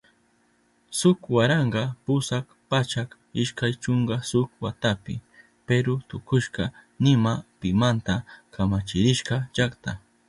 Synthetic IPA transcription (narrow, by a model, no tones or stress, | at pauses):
sʊkwaɾɑɴɢɑpʊsak | pat͡ʃak | ɪʃkajt͡ʃoɴɢɑsʊkwat̪apɪ̰ | peɾʊt̪ʊkʊʃɢɑnɪmapɪmant̪akamat͡ʃɪɾɪʃqɑt͡ʃakt̪a